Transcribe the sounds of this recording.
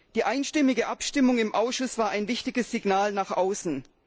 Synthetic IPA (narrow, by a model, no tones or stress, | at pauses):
d̥iːʔaɪnʃtɪmɪɡəʔapʃtɪmʊŋɪmʔaʊsʃʊsv̥aːɐʔaɪnvɪçtɪɡəsz̥ɪɡnaːlnaːχʔaʊsn̩